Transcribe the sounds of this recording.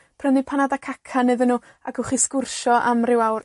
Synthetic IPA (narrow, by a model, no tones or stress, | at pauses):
pʰr̥əndipʰanadakʰakʰanːɨðənːuː | akʰəχiskʊrʃɔʔamrɪwawr